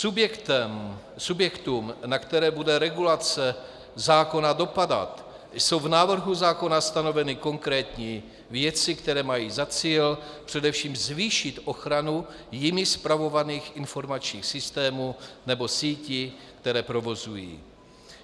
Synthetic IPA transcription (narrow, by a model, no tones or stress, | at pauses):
subɛt̪ɛ | subjɛkt̪umnakt̪ɛɾɛːbudɛɾɛɡulat͡sɛ | zaːko̞nado̞pada̰t̪ | so̞wvnaːvr̩ɦuzaːko̞nast̪ano̞vɛnɪko̞ŋkɾɛːt̪ɲi | vjɛt͡sɪkt̪ɛɾɛːmajiːzat͡siːlpr̥ɛdɛfʃiːmzviːʃɪt̪ʔo̞xɾanu | jɪmɪspɾavo̞vaniːxɪnfo̞ɾmat͡ʃɲiːxsɪst̪ɛːmuːnɛbo̞siːcɪkt̪ɛɾɛːpɾo̞vo̞zujḭː